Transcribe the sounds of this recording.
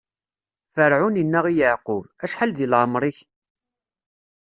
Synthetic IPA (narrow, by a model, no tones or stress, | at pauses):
fəɾʕuninːæʁijəʕqʊvæʃħalðilʕəmɾˤiç